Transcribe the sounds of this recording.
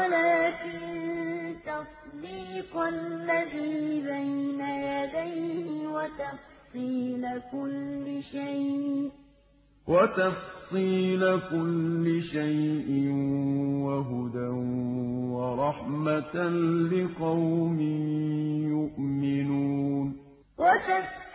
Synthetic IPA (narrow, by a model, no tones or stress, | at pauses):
alaːkɪn | t̪ɑsˤd̪iːqʔalːaðiːbajnajad̪ajhɪwat̪ɑfsˤiːlakʊlːɪʃajʔ | wat̪ɑfsˤiːlakʊlːɪʃajʔɪnwaɦʊd̪anwɑɾˤɑħmat̪lɪqɑwmɪ | jʊʔmɪnuːn | wʔat̪ɑ